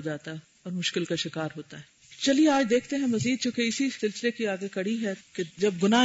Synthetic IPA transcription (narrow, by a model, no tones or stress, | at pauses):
d͡ʒaːt̪aɦɛ | ɔːɾmʊʃkɪlkaʃɪkaːɾɦoːt̪aɦɛː | t͡ʃɐlieaːd͡ʒd̪eːkʰt̪eɦɛ̃mɐziːd̪̚t͡ʃõːkeɪsisɪlsɪlekiaːɡekɐɽiɦɛked͡ʒɐb̚ɡʊna